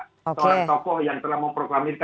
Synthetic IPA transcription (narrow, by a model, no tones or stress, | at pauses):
səoɾaŋt̪ɔkɔhjaŋt̪əlahməmpɾokɾamirk